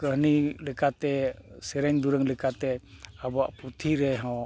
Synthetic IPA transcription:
kəɦnilɛkat̪ɛsɛɾɛɲd̪uɾəŋlɛkat̪ɛabɔaʔput̪ʰiɾɛɦɔ̃w

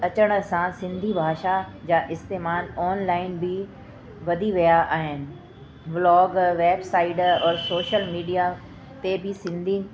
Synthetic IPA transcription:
ɐt͡ɕəɽ̃̆sãsɪ̃nd̪ʱibʱaːʃad͡ʑaːʔɪst̪eːmaːlɔːnlaːɪnbʱɪ | ʋɐd̪ʱiʋijaʔaːɦɪnɪ̆ | blɔːɡʋeːbsaːɪɖɔːɾsoːʃəlmiːɖija | t̪ebɪsɪ̃nd̪ʱi

